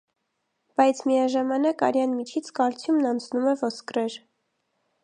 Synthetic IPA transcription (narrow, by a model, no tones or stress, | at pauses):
b̥ɑjt͡sʰmiɑʒɑmɑnɑkɑ̰ɾjɑnmit͡ʃʰit͡sʰkɑɾt͡sʰjumnɑnt͡sʰnumɛvɔskɾɛɾ